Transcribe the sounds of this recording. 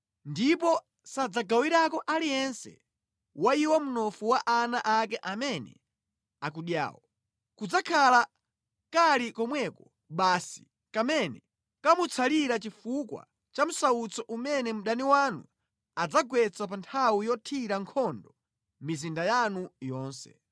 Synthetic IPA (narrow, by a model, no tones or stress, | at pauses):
ndip̬ɔ | sad͡zaɡawiɾakɔʔalijɛnsɛ̰ | waiwɔmunɔfuwaʔanaʔakɛʔamɛnɛ̰ | ak̬uɗja̰ːwɔ | kud͡zakʰala | kalikɔmwɛkɔ | ɓaːsi̥ | kamɛnɛ | kamut͡sʰaliɾat͡ʃifukwa̰ | t͡ʃam̩saut͡sɔʔumɛnɛm̩ɗaniwanu | ad͡zaɡwɛt͡sap̬antʰawujɔtʰiɾaŋkʰɔndɔ | mizindajanujɔːnsɛ̰